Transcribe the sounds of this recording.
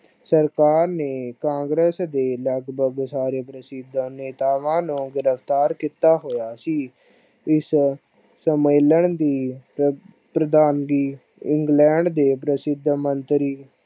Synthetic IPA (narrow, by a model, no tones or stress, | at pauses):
səɾkaːɾneːkãːŋɡɾəsd̪eːləɡbʱəɡsaːɾeːpɾəsɪd̪ʱneːt̪aːʋãːnũːɡɪɾəpʰt̪aːɾkiːt̪aːɦoːjaːsiː | ɪs | səmeːləɳd̪iː | pɾəd̪aːnɡiː | ɪ̃ŋɡlɛ̃ːɳɖd̪eːpɾəsɪd̪ʱmənt̪ɾiː